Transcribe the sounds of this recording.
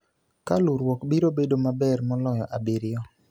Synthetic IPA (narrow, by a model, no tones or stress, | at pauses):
kalʊɾwɔkbiɾobedomabɛrmɔlɔjɔʔabɪɾɪjɔ